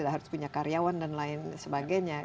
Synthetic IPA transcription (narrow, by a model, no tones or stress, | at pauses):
idaɦaɾʊspuɲakaɾiawandanlaɪnsəbaɡajɲa